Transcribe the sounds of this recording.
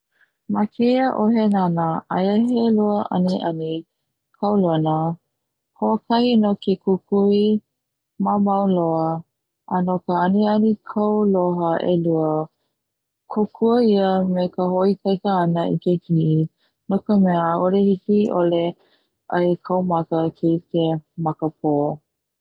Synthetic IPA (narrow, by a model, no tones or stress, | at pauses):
makʰejəʔoɦenanəʔajəɦeluəʔɐ̰niʔɐni | kʰawloənə | hoəkʰɐhinokekʰukʰui | mamawloə | ʔənokəɐnianikʰəwloɦəʔeluə | kʰokʰuəiəmekəɦoikʰajkəːnəḭkeɡi | nokəmɛəolehikiʔole | ʔəjkʰəwmakəkʰeikemakəp̚ʰo